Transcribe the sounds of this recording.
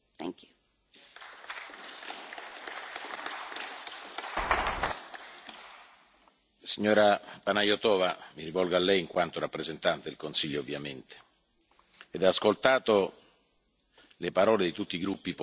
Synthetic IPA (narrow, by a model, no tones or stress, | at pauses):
ŋk | siɲːɔːɾapanajot̪ɔːvamiɾivɔlɡaːlːɛjiŋkwant̪oɾapːɾezent̪ant̪ed̪elkonsiʎːoːvːjament̪e̥ | d̪aːskolt̪aːt̪o | lepaɾɔːled̪it̪ut̪ːiɡɾupːip